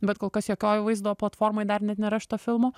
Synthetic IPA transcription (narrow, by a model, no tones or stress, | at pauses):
bʲɛt̪koːlˠkɐsjoːkʲoːjʋɐɪzd̪oʋoːplˠɐt̪foːɾmojd̪ɐrnʲɛt̪nʲɛɾɐʃt̪ɐfʲɪlˠmoː